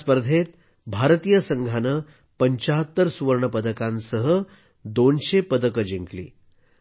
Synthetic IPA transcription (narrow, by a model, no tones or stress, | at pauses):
spəɾd̪ʱet̪ | bʱaɾt̪ijəsəŋɡʱanə | pəɲt͡ɕaɦət̪ːəɾsuʋəɾɳəpəd̪əkãnsəɦə | d̪onɕepəd̪əkəd͡ʑiŋklḭː